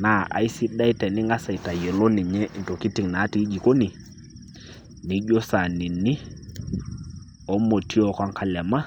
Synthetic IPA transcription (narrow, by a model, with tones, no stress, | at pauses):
na˨ʔa̰˨i˦si˦ɗa˦i˦tɛ˨nɪ˦ŋɡa˦sa˨i˨ta˨jɛ˨lɔ˦ni˨ɲɛ˦ʔn˨tɔ˨ki˦ti˨ŋna˨˦ti˦d͡ʒi˨ko˦ni˨ | ni˨˦ʄɔ˦sa˨ni˨nɪ˦ | ɔ˦mo˨tʰi˦ɔ˨kwa˦ŋkʰa˦lɛ˨ma˦